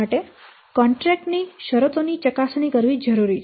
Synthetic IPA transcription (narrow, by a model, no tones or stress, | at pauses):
aʈe | kɔɳʈɾɛk̚ʈniʃəɾət̪onit͡ʃəkasnikəɾʋid͡ʒəɾuɾit͡ʃʰ